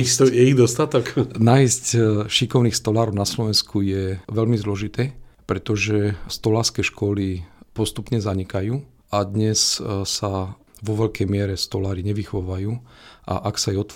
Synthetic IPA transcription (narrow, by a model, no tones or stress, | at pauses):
isɔjɛiɣd̪ɔst̪at̪ɔknaiscʃikɔʊniːxst̪ɔlaːɾɔʊnaslɔʋɛnskujɛʋɛʎmizlɔʒit̪ɛːpɾɛt̪ɔʒɛst̪ɔlaːɾskɛʃkɔlipɔst̪upɲɛzaɲɛkajuː | ad̪ɲɛssa | ʋɔʋɛʎkɛjmɪɛɾɛst̪ɔlaːɾiɲɛʋixɔʋajuːʔa̰ʔaksajɛɔt̪